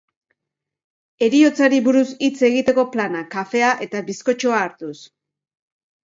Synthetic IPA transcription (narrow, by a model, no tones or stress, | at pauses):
e̞ɾio̞t͡saɾiβuɾusit͡se̞ɣ̞it̪e̞ko̞planakafe̞aʔe̞t̪aβisko̞t͡ʃo̞aːɾt̪us